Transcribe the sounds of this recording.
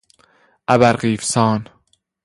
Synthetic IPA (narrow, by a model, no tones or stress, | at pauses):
ʔæbæɾɢiːfsɒːn